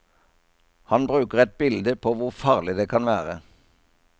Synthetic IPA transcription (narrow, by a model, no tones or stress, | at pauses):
hɑnbʁʉːkəʁɛt̪̚bɪld̪əpʰoːʋʊʁfɑːʁlɪd̪eːkʰɑnʋæːʁə